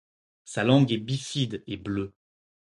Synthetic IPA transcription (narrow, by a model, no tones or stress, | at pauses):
salɑ̃ɡɛbifid̪eblø